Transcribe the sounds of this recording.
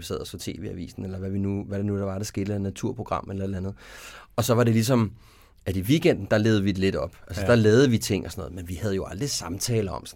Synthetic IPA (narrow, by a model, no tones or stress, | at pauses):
isḛð̰ˠɐsfɒ̽t͡sʰe̝̰ːʋḛːæʋḭːsn̩elɐʋæʋinuʋæɾenud̥ɑ̈ʋɑ̈ɾ̥ɑ̈sɡ̥e̝ːd̥elɐnæt͡sʰuɐ̰pʰʁo̝ɡ̥ʁɑ̈m̰elɐe̝d̥ænð̩ˠɒ̽sɒ̽ʋɑ̈ɾe̝lis̬ɒ̽m | æɾ̥iʋiɡ̥en̰d̥n̩d̥ɑ̈le̝ːð̩ˠʋid̥e̝le̝d̥ɒ̽b̥ælsəd̥ɑ̈lɛːð̞̩ˠəʋit͡sʰe̝ŋ̰ɒsɒnɔ̽ðˠmenʋihæð̞ˠjo̝ɑ̈ld̥ʁisɑ̈mt͡sʰɛːlɐɒ̽ms